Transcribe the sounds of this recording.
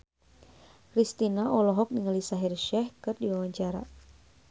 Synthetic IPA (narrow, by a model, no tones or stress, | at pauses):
kɾist̪inaʔɔlɔɦɔk̚niŋalisaɦirʃɛhkɨrdiwawaɲt͡ʃaɾa̰